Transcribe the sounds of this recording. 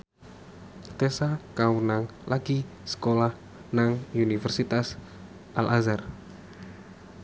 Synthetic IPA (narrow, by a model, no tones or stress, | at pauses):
t̪esakawənaŋlaɡ̥i | sə̥kolah | naŋunifɛrsit̪as | ʔalʔazar